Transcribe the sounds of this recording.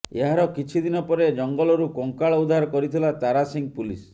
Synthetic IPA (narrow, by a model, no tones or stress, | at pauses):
eɦaɾɔkit͡ʃʰid̪inɔpɔɾed͡ʒɔŋɡɔlɔɾukɔŋkaɭɔud̪ʱaɾɔkɔɾit̪ʰilat̪aɾasiŋ̚pulis